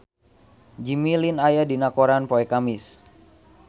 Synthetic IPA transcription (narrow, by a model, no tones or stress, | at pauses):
d͡ʒimilinajadinakoɾanpoɛkamɪs